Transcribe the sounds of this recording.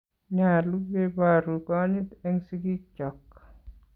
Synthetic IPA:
ɲalu˦ɡe˦baɾu˨kɔɲi˦t̪ɛ˦ŋsi˦ɡi˦t͡ʃɔ˨k

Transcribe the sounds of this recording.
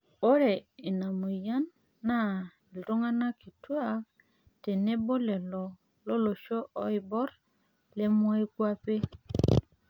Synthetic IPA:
o˦ɾe˨i˨na˨mu˨ja˦nː | a˦˨ | lto˦ŋa˦na˦ki˨tu˦a˨ | te˨ne˦bo˦le˨lo˨ | lo˦lo˨ʃo˦ʔo˦jbo˦ɾ | le˦mo˦i˦kwa˦pe˦

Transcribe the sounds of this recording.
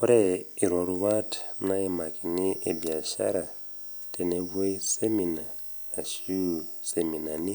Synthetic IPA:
u˦ɾe˦i˨ɾo˨ɾu˦βa˦tʰna˦e˦ma˨ki˨ni˦e˨bi˨a˨ʃa̰˦ɾa˨ | tʼe˨ne˨βu˦i˦se˦mi˨naː˨ | ʃi˦u˨semi˨na˨ni˦

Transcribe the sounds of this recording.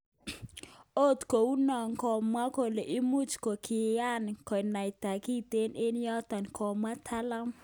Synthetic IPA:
o˦˨t̪ko˨u˦nɔ˨ŋkɔ˨ma˦ko˨le˨ʔɪ˦mu˦t͡ʃko˨kʰɪ˨a˦nkɔ˨na˨jt̪a˨ki˦t̪e˦nɪ˦n˦jɔ˦t̪a˨nkʰɔ˨mwa˦tʰa˦la˦m

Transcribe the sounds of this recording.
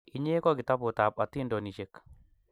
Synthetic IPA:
i˨ɲe˦kɔ˦ɡi˨t̪a˦po˨t̪a˨pa˨t̪ːi˦ndo˨ni˨ʃe˨k

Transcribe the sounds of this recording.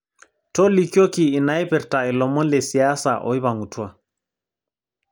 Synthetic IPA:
tɔ˦li˨kjo˦kiː˨na˦jpɛ˨ɾta˨i˨lɔ˨mɔ˦nle˨si˨a˦sa̰˨ʔɔ̰˨˦i˦βa˨ŋɡu˨tu˦a˨

